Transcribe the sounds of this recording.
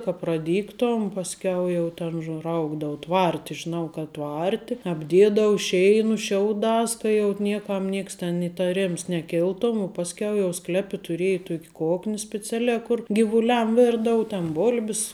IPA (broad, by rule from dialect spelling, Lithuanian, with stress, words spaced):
kɐ prɐˈdʲiːktoːm pɐsʲˈkʲɛʊ jɛʊ ˈtʲɛn ʊʒˈrɐʊɡdɐʊ ˈtʋɐrʲtʲɪ ʒʲɪˈnɐʊ kɐt ˈtʋɐrʲtʲɪ ɐbʲˈdʲeːdɐʋʊ ˈʃʲɛɪnʊ ˈʃʲɛʊˌdɑːs kɐ jɛʊ ˈnʲiɛˌkɐm ˈnʲiɛks tʲɛn ɪtɐˈrʲɪms nʲɛˈkʲɪlˠtoːm ʊ pɐsʲˈkʲɛʊ jɛʊ ˈsklʲæːpʲɪ tʊˈrʲeːjɪ ˈtuɔkʲ ˈkoːknʲɪ sʲpʲɛˈt͡sʲæːlʲæː ˈkʊr ɡʲɪʋʊˈlʲɛm ˈʋʲɪrdɐʊ tʲɛn ˈboːlʲbʲɪs